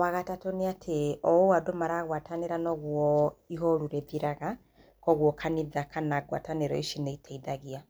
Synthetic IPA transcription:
waɣatatoneatʰeɔoadomaɾaːɣwataneɾanɔɣwɔiɦɔɾuɾeðiɾaɣa | kɔɣwɔkʰaniðakanaɡwa̰taneɾɔiʃineitʰaiðaɣia

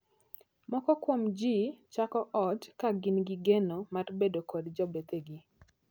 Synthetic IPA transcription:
mɔkɔkwomd͡ʒit͡ʃakɔʔɔd͡ʒkaɡɪnɡɪɡenomaɾbedokodd͡ʒɔbeteɡi

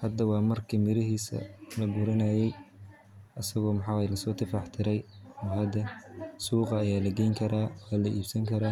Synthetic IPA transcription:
hɐd̪ɐwɑːmɐrkʰiːmɪɾɪɦiːsɐ̰lɐɡʊɾɐnaːjɛj | ʔɐsɐɣɔːmɑħɑːwjlɐsɔːt̪ʰɪfɑħt̪ʰɪɾɛjɔɦɐd̪ɐsuːqɑːjaːlɐɡɛjŋkʰɐɾaːwaːlɐʔiːb̥sɐŋkʰɐɾaː

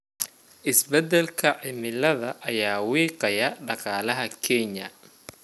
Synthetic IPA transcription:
ʔɪsbɛd̪ɛlkʰɐʕɪmɪlɐðɐʔːjaːwiːqɑjɐɖɑqɑːlɐɦɐkʰɛɲɐ̰

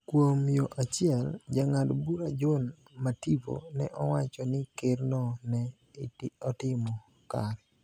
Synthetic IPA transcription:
kwomjoʔat͡ʃɪɛld͡ʒaŋadbuɾad͡ʒon | mativo̰nɛʔɔwat͡ʃɔnɪkɪrnɔnɛ | ɔtɪmɔ | kaɾɛ

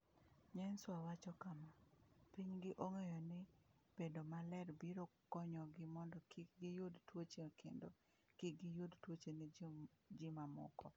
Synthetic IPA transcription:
ɲɛnswawat͡ʃɔkamapiɲɡɪʔoŋejɔnɪb̥endomalɛɾbiɾokɔɲɔɡɪmɔndɔkiɡɪjʊdtwot͡ʃekʰḛndo | kiɡɪjʊdtwot͡ʃenɪd͡ʒimamʊ̰kɔ

